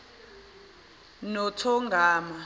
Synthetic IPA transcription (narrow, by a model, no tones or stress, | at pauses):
nɔtʰɔŋɡʱaːma